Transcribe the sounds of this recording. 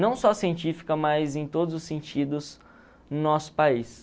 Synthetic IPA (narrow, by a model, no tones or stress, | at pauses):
nɐ̃w̃sɔsiẽnt͡ʃifi̥kɐmajzẽj̃t̪od̪ʊzʊsːẽnt͡ʃid̪ʊz | nʊnɔsʊ̥pais